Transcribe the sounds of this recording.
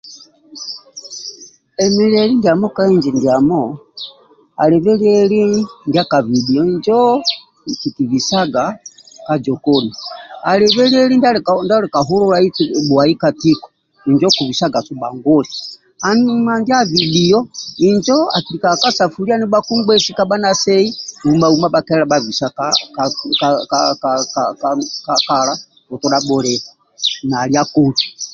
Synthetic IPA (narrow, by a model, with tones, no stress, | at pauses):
ɛ˨mi˨lɛli˦ndiamɔ˦ka˦iɲd͡ʒɛ˨ndia˨mɔ˦ | a̰˨lɛvɛ˦liɛli˦ndia˦ka˨vi˨bi˨ɔ˦iɲd͡ʒɔ | ki˨ki˨vi˨saɡa˨ka˨d͡ʒɔ˨kɔnia˨lɛvɛ˦li˦ɛli˦ndanda˦lɛ˨ka˨ɦu˦lɔ˦ɾait͡sibwai˦ka˨ti˦kɔ̥ | i˨ɲd͡ʒɔ˦ku˨vi˨sa˦ɡa˨su˨ba˨ŋɡɔ˦lɛ | a˨nmanɡi˦a˦vi˨bi˨ɔ˦i˨nd͡ʒɔ˦a̰˨ki˨ɾi˨ka˨ka˦sa˨fu˨ɾi˦a˦ni˦ba˦ku˦ŋɡwɛ˦si˦ka˦ba˦na˦sɛ˦i˦u˨ma˨u˨ma˦ba˨kɛ˦la˨bavi˨sa˦kakkakak | kakala˦ | kɔ˨tɔ˦ɗa˦bɔ˨ɾɛ˨a | na˨lia˦ku˨ti